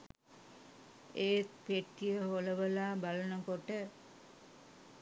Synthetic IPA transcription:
eːk̪̚peʈːijəɦoləʋəlaːbalənəkoʈə

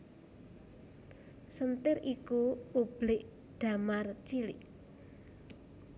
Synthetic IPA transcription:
sənt̪ɪɾikuub̥lɪʔ | ɖ̪̥a̤mart͡ʃilɪ̰ʔ

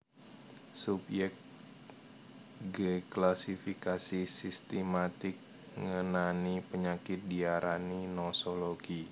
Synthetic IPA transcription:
subjɛk̚ | ɡəklasifikasisist̪əmat̪ɪk̚ | ŋənanipəɲakɪt̪̚diaɾʔaninosoloɡi

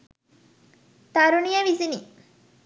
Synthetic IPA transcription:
t̪aɾunijəʋisini

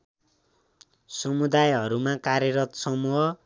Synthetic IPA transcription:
sʌmud̪ajɦʌɾumakaɾjʌɾʌt̪sʌmuɦʌ

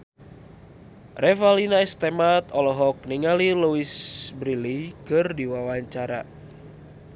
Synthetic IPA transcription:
rʔɛfalinaɛst̪emat̪ɔlɔɦɔk̚niŋaliluisbɾilikɨrdiwawaɲt͡ʃaɾa̰

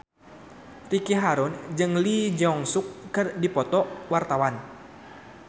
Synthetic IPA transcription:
t̪ikiɦaɾʊnd͡ʒɨŋlid͡ʒɔŋsukːɨrdipɔt̪ɔwart̪awan

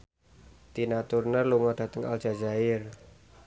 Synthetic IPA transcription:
t̪inat̪urnəluŋɔd̥a̤t̪əŋa̰l̥ʒ̥a̤d͡ʒaɪr

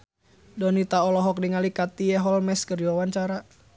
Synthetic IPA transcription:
dɔnit̪aɔlɔɦɔk̚diŋalikat̪iɛɦɔlmɛskəriwawaɲt͡ʃaɾa

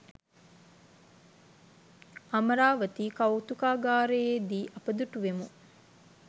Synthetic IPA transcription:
ɐmɐɾaːʋət̪iːkɐwt̪ukaːɡaːɾejeːd̪iːʔɐpəd̪uʈuʋemu

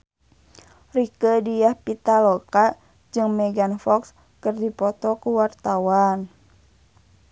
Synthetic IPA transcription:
rikədijahpit̪alɔka | d͡ʒɨŋmɛɡanfɔks | kərdipɔt̪ɔkuwart̪awan

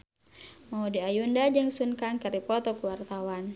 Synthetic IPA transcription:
maudiajundad͡ʒəŋsunkankəɾipɔt̪ɔkuwart̪awan

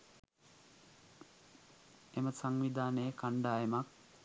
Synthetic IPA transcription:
eməsaŋʋid̪ʱaːnəjəkaɳɖaːemak̚

